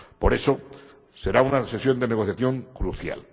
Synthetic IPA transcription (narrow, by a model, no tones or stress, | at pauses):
po̞ɾe̞so | se̞ɾaunase̞sjo̞nd̪e̞neɣ̞oθjaθjo̞ŋkɾuθja̰l